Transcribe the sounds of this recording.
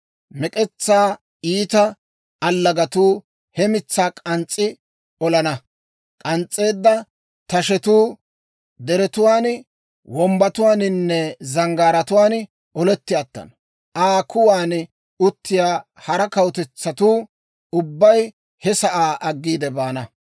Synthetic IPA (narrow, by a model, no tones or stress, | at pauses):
mɛkʼɛt͡sːaː | iːt̪ɐː | lːɐɡɐt̪uː | hɛmɪt͡sːaːkʼɐnt͡sʼːɪ | ɔlɐnɐ | kʼɐnt͡sʼːe̞ːd̪ːɐ | t̪ɐʃɛt̪uː | d̪ɛɾɛt̪ʊwaːn | wɔmbɐt̪ʊwaːnɪnːɛzɐŋɡaːɾɐt̪ʊwaːn | ɔlɛt̪ːɪjat̪ːɐ̰n | ʔaːkʰʊwaːn | ʊt̪ːɪjaː | hɐɾɐkɐwt̪ɛt͡sːɐt̪uː | ʊbːɐj | hɛsɐʔaːʔɐɡːiːd̪ɛbaːnɐ